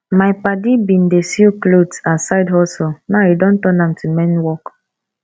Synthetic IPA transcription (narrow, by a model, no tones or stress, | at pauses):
maɪpadibin̩desjuklotasaɪdɦɔsonaidõn̩tɔnãm̩tumɛnwɔk